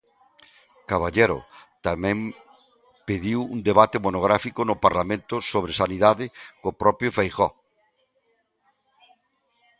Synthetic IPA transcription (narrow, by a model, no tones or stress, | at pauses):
kaβaʎeɾʊ̰t̪amɛ̃ŋ | peðiwṵnd̪eβat̪ɪmonoɣ̞ɾafikʊnʊpaɾlamẽnt̪ʊsoβɾesaniðaðɪkopɾɔpɾjofejxɔ